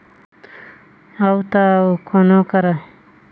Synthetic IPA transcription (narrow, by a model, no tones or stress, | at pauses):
awt̪akʰonokaɾa